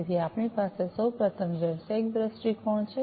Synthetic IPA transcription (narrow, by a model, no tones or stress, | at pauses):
t̪ʰiapɳipasesəwpɾət̪ʰəmd͡ʒəsek̚d̪ɾəsʈikʰɔɳt͡ʃʰe